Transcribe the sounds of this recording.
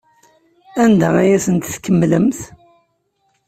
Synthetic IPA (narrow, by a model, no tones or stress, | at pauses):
ænd̪ææjæsənt̪θkːəmːləmθ